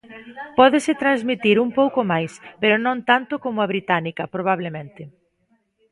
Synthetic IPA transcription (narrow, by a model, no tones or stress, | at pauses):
pɔðɪsɪt̪ɾanzmit̪iɾumpowkomajspeɾʊnõnt̪ant̪ʊkomʊɐβɾit̪anikɐpɾoβ̞aβ̞lemẽnt̪ɪ